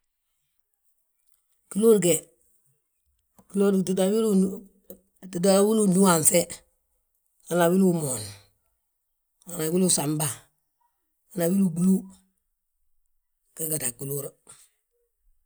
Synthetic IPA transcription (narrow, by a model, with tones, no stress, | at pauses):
ki˦lu˦ɾɡe˨ | ki˨lo˦ɾda˨wi˦ɾu˦ | ti˨da˦wi˦lu˦nu˦a˨nse˦ | ŋa˨na˨wi˦lu˦mo˨n | ŋa˨na˨wi˦lu˦sa˨mba˦ | ka˨˦na˨wi˦lu˨bu˨lu˦ | ke˦ɡa˨ta˨ku˨lu˦ɾ